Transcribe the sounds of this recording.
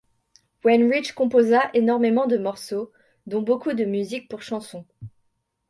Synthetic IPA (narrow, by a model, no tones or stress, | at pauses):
wɛnʁit͡ʃkɔ̃pozaʔenɔʁmemɑ̃d̪əmɔʁso | d̪ɔ̃bokud̪əmyzik̚puʁʃɑ̃sɔ̃